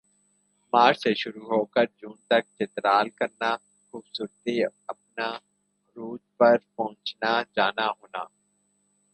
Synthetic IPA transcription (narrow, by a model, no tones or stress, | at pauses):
maːɾseʃʊɾuɦoːkəɾd͡ʒũːnt̪ɐk̚t͡ʃɪt̪ɾaːlkɐɾna | xuːbsuːɾt̪iɐp̚na | ɾuːd͡ʒpɐɾpɐɦʊ̃t͡ʃnad͡ʒaːnaɦoːnaː